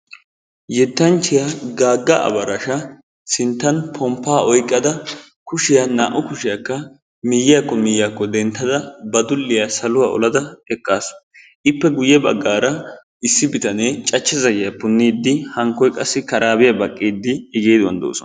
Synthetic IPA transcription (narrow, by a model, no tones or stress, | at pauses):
jɛt̪ːɐnt͡ʃːɪjaɡaːɡːɐʔɐ̰bɐɾɐʃɐ | sɪnt̪ːɐnpʰɔmpːaːɔjkʼːɐd̪ɐ | kʊʃɪjana̰ːʔʊkʊʃɪjɐkːɐ | mɪjːɪjakːɔmɪjjakːɔd̪ɛnt̪ːɐd̪ɐbɐd̪ʊlːɪjasɐlʊwaːɔ̰lɐd̪ɐɛkʼːaːsʊ̥ | ʔɪpːɛɡʊjːɛbɐ̰ɡːaːɾɐ | ɪsːɪbɪt̪ɐneːt͡ʃʼɐt͡ʃːɛzɐjɪjɐpʊnːiːd̪ːɪhɐŋkːɔjkʼɐsːɪkɐɾaːbɪjɐbɐkʼːiːd̪ːɪɛɡeːd̪wɐ̰nd̪o̰ːsɔ̰n